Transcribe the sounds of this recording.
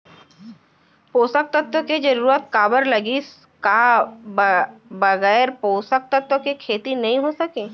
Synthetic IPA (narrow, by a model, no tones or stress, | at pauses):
poːsək̚t̪ət̪wəked͡ʒɐɾuːɾət̪̚kaːbəɾlɐɡis | kabbəɣɛːɾpoːsək̚t̪ət̪əkekʰeːt̪inɐɦĩɦosɐkeː